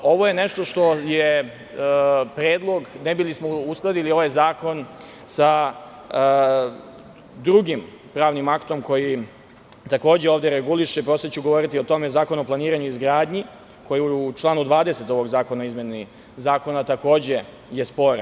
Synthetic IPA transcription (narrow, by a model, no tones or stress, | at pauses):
o̞ʋo̞jene̞ʃt̪o̞ʃt̪o̞je | pɾeːd̪lˠo̞ɡnebilismousklˠad̪ilio̞ʋajzaːko̞n | sa | d̪ɾuɡim | pɾaːʋnimakt̪o̞mko̞ji | t̪ako̞ːd͡ʑeoːʋd̪eɾeɡuliʃepɾo̞set͡ɕuɡo̞ʋo̞ɾit̪io̞t̪o̞mezaːko̞no̞plˠaniːɾaɲuizɡɾaːd̪ɲi | kʰo̞jiut͡ʃlˠaːnud̪ʋaːd̪e̞se̞t̪o̞ʋo̞ɡzaːko̞naoizmje̞ni | zaːko̞nat̪ako̞ːd͡ʑe̞ | je̞spo̞ɾ